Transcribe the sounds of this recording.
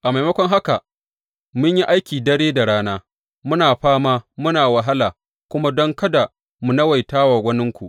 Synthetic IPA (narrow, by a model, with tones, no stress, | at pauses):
ʔa˨ma˨jmɐ˦kʷɔ˦ŋɦa˦ka˨ | mʊ˦ɲji˦ʔa˦jkʲiː˨dɐ˦ɽeː˦da˨ɽaː˦naː˦ | mʊ˦naː˨ɸaː˦maː˦mʊ˦naː˨wa˨ɦa˦laː˨ | kʷʊ˦ma˦dɔ˦ŋkɐ˦da˨ | mu˨nɐ˦wa˨jtaː˦waː˨ɡʷɐ˦nɪ˦ŋkʷu˨ʔ